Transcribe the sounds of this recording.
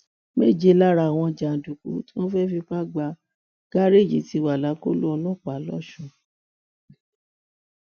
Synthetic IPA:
mḛ˦˨d͡ʒe˧˨˦la˦ɾa˧˨w̃ɔ̃˧d͡ʒa˨du˨kṵ˨˦tĩ˦ɔ̃˦fɛ˦fi˧k͡pa˦ɡ͡ba˧ | ɡ̥a˦ɾe˦˨jḭ˨˦ti˧wa˨la˨˦ko˦lu˦ɔ˧lɔ˦˨k͡pa˨˦lɔ˦˨ʃũ˦˨

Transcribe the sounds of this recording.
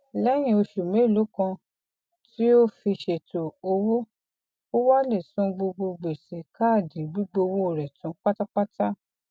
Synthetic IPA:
lɛ˦j̃ĩ˧˨o˧ʃu˨mẽ˨˦˨lo˨˦kã˧ | tʰi˦o˦fi˧ʃe˨to˨o˧wo˦ | o˦wa˦le˨sũ˨˦ɡ͡bo˧ɡ͡bo˧ɡ͡be˨sɛ˨kʰa˦˨dĩ˨bi˦ɡ͡bo˧wo˦o˨ɾɛ˨tũ˨˦k͡pa˦ta˦k͡pa˦ta˦

